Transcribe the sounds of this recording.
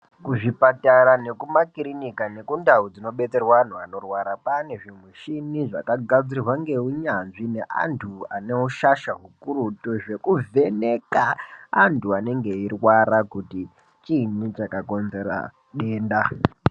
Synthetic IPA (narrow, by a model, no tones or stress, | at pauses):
kuʐipataɾane̞kumakiɾinikane̞kundaud͡zino̞ɓe̞t͡se̞rwaan̤uano̞rwaɾapane̞ʐimweʃiniʐa̰kaɡʱad͡ziirwaŋɡe̞uɲanʐine̞ʔa̰ntʰuane̞uʃaʃaɦukuɾutoʐe̞kuvʱe̞ne̞kaːntʰuane̞ŋɡe̞irwaɾakuti | t͡ʃinit͡ʃakako̞nze̞ɾa̰ | ɗe̞ːnda